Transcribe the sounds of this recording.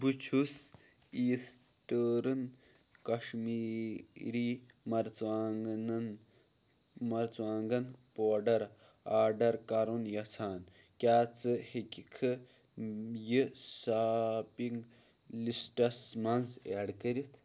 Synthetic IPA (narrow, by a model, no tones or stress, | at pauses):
but͡ʃʰus | iːs | ʈəːɾɨn | kɐʂmiːɾiː | mɐɾt͡swaːŋɡnn | mɐɾt͡swaːŋɡɐn | poːɖɐɾ | aːɾɖɐɾkaɾunjɐt͡sʰaːn | kʲaːt͡sɨhekʲikʰɨ | jɨsaːpiŋɡ | lisʈɐsmɐnzḛːɽkəɾit̪ʰ